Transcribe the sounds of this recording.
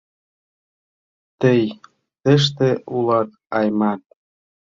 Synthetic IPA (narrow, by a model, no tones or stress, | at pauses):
t̪əj | t̪ə̆ʃ̬t̪ĕʔulɑt̪̚ | ɑjmɑt̪̚